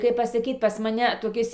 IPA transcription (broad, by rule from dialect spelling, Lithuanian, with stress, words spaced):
kɐɪp pɐsɐˈkʲiːt ˈpɐs mɐˈnʲɛ toːˈkʲɪs